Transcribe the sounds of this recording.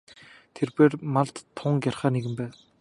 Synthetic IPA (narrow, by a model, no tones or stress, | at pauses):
t̪ʰerpeːrmaɮt̪t̪ʰːʊŋkjarχaːneɣɘ̆mpæː